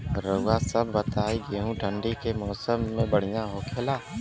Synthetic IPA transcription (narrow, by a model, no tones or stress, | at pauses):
ɾəwasəbːət̪aːiɡeːɦũʈʰə̃ɳɖikemɔːsəmːẽbəɽ̤ijãɦokʰeːlaː